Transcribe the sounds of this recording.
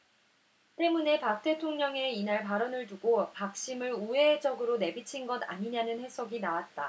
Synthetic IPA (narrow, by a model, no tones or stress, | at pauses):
t͈e̞mune̞pap̚t͈e̞tʰoŋɲʌŋe̞inaɭpaɾʌnɯɭtuɡopak̚ɕ͈imɯɾue̞d͡ʑʌɡɯɾone̞bit͡ɕʰinɡʌda̰ɲiɲanɯnhe̞s͈ʰʌɡinawat̚t͈a